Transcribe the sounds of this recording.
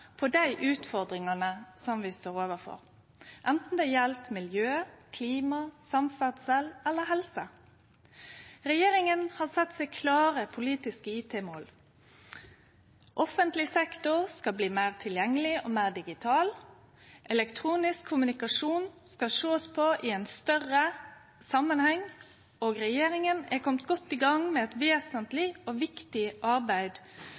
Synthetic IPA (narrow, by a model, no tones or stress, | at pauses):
pʰɔd̪æɪʔʉːt̪fɔʁd̪ʁɪŋɑnəsɔmʋɪst̪oːʁoːʋəfɔ̰ʁ | ʔɛnt̪n̩d̪ɛjɛlt̪mɪljøːkʰliːmɑsɑmfæd̪sɛlɛlːəɦɛlsə | ʁɛjeːɾɪŋənhɑʁsɛt̪ːsɛɪkʰlɑːʁəpʰʊliːt̪ɪskəiːt̪ʰeːmoːl | ʔɔfənt̪lɪsɛkt̪ʊʁskɑbliːmæɪʁt̪ʰɪljɛŋːəlɪʔoːmæɪʁd̪ɪɡɪt̪ʰɑːl | ʔɛlɛkt̪ʰʁuːnɪskʰːʊmʉnɪkɑʂuːnskɑʂoːspʰoʔɪɛnst̪œʁə | sɑmənhɛŋ | oːɡʁɛjeːɾɪŋənækʰɔmt̪ɡɔt̪ːiːɡɑŋmɛɛt̪ʋeːsənt̪lɪoːʋɪkt̪ɪʔɑɾbæɪd̪